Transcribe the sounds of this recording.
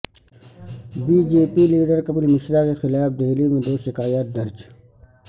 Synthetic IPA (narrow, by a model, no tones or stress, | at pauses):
biːd͡ʑeːpiliːɖəɾkɐbɪlmɪʃɾaːkexɪlaːfd̪eɦlimẽd̪oːʃɪkaːjat̪̚d̪ɐɾd͡ʒ